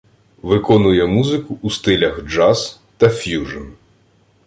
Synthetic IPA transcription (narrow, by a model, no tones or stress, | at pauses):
ʋɪkɔnʊjɛmuzɪkʊʔːst̪ɪlʲɐxd͡ʒɑz | t̪ɐfʲjuʒɔn